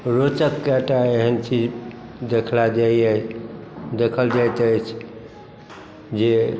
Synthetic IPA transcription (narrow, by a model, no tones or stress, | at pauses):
ɾot͡ʃəkːaʈaeɦənt͡ʃid͡ʒd̪ekʰlad͡ʒaie | d̪ekʰəld͡ʒajt̪ət͡ʃʰ | d͡ʒe